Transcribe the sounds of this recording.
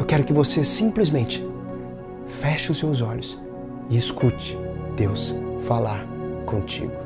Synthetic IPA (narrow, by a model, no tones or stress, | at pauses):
ewkɛɾʊkɪvosesĩplizmẽnt͡ʃɪ̥ | fɛʃɪʊsːewzɔʎʊs | ɪeskut͡ʃɪ̥d̪̥ewsfalaɾ | kõt͡ʃḭɡʊ